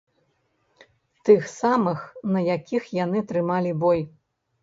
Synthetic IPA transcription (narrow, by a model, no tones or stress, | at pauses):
t̪ɨxsamɨxnɐjakʲixjanɨt̪ɾɨmalʲibɔj